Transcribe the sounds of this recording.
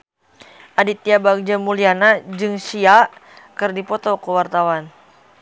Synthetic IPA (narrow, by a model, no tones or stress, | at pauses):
ʔadit̪iabaɡ̚d͡ʒamulianad͡ʒɨŋsia | kɨrdipɔt̪ɔkəwart̪awan